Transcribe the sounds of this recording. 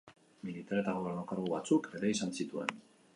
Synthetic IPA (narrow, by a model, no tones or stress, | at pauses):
milit̪aɾe̞t̪aɣ̞oβerɾnokaɾɣuβat͡suke̞ɾeisansit̪ue̞̰n